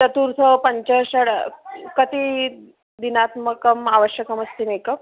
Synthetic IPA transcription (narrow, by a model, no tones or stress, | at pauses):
t̪ɐt̪uɾt̪ʰəpəɲt͡ɕəɕəɽkət̪i | d̪inat̪məkəmaʋəɕjəkəməst̪imekəp